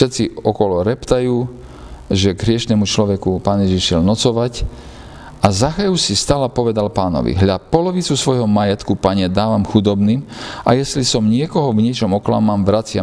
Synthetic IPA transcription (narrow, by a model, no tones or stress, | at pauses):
ʃɛt̪t͡siɔkɔlɔɾɛpt̪ajuː | ʒɛɡɦɾɪɛʃnɛmut͡ʃlɔʋɛkupaːnjɛʒiʃjɛlnɔt͡sɔʋac | ʔazaxajusist̪aːlapɔʋɛd̪alpaːnɔ̰ʋḭɦʎapɔlɔʋit͡susʋɔjɦɔmajɛt̪kupaɲɛd̪aːʋamxud̪ɔbniːma̰jɛslisɔmɲɪɛkɔɦɔvɲɪɛt͡ʃɔmɔkla̰mamʋɾat͡sɪa